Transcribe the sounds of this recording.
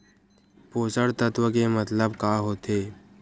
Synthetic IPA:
poːsəɽt̪ət̪ʋəkemət̪ləbkaːɦoːt̪eː

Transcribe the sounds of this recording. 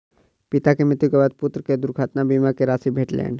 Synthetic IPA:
pɪt̪akemɪt̪jukebaːd̪̚pʊt̪ɾəked̪ʊɾkʰaːt̪nabiːmakeɾaːsibʱeːʈlḛːn

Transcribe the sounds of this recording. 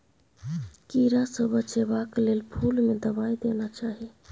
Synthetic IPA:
kiɾasəbʱət͡ʃebaklelpʰulmed̪əbajd̪enat͡ʃaɦi

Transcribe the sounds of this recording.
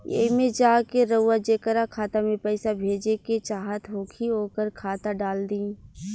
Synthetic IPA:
ḛmẽd͡ʒaːkeɾɐːad͡ʒeːkəɾakʰaːt̪amẽpɛːsabʱeːd͡ʒeket͡ʃaːɦət̪ɦoːkʰiɦoːkəɾkʰaːt̪aɖaːld̪ĩː

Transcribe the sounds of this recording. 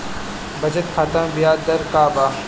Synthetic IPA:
bɐd͡ʒət̪xʰaːt̪ambijaːd̪ɐɾkaːbaː

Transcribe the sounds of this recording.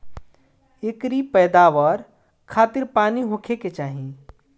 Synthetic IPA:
ekɾipɛjd̪aːʋəɾ | kʰaːt̪iɾpaːniɦõkʰeket͡ʃaːɦĩ

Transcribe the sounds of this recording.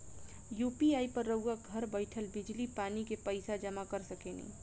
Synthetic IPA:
jupiajpəɾːəɡaɡʱəɾbəɪʈʰəlbɪd͡ʒlipanikepəɪsad͡ʒəmakəɾsəkenḭ̃

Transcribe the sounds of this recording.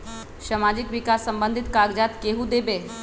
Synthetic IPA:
ʃəmad͡ʒɪkʋɪkaːsːəmbə̃nd̪ʱɪt̪kaːɡd͡ʒaːt̪keɦud̪ebeː

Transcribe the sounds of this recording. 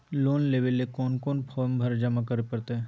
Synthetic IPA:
loːnleːʋelekɔːnkɔːnpʰɔːɾmbʱɐɾd͡ʒɐmakəɾepɐɾt̪eɛ

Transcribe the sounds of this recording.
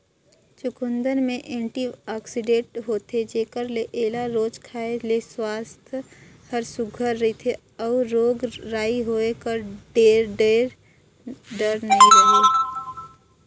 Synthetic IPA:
t͡ʃʊkʊ̃nd̪ənmẽʔẽːɳʈiaːksɪɖẽːʈɦoːt̪ʰed͡ʒeːkəɾleʔeːlaɾoːd͡ʒkʰaːeleswaːst̪ʰ | həɾsʊɡʱəɾːəɦit̪ʰe | ɔːʊɾoːɡɾaːiɦoːekəɾɖeːɾɖeːɾ | ɖəɾnəɦĩɾɐɦe

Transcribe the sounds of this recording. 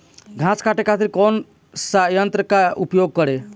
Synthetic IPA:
ɡʱãskʰaʈekʰat̪ɾikɔn | sajənt̪ɾəkaupjoɡ̚kəɾe

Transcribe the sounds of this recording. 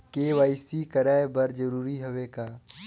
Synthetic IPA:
keːʋaːɪsikəɾaːebɐɾd͡ʒəɾuːɾiɦʊʋeːkaː

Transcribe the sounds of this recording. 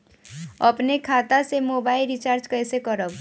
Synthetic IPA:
əpnekʰat̪asemobaːilɾit͡ʃaɾt͡ʃkəjsekəɾəb

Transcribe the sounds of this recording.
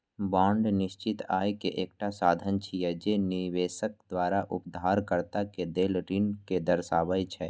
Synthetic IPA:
bãːɳɖnɪʃt͡ʃɪt̪a̰ːjkeʔeːk̚ʈasaːd̪ʱənt͡ʃʰijɛd͡ʒeniʋeːsək̚d̪waːɾaʔʊpd̪ʱaːɾkəɾt̪aked̪eːlɾinked̪əɾsaːbət͡ʃʰɛː

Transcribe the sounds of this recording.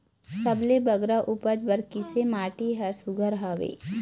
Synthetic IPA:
sɐblebɐɡɾaʔupəd͡ʒbəɾkɪsemaːʈiɦɐɾsʊɡʱəɾɦaːʋḛː

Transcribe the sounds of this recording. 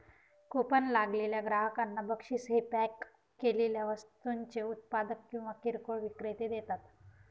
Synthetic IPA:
kopənlaɡleljaɡɾaɦəkanːabəkʂiːsɦepɛkː | eleljaʋəst̪uɲt͡ɕeut̪̚pad̪əkkːĩw̃ʋakiɾkoɭʋikɾet̪ed̪et̪at̪

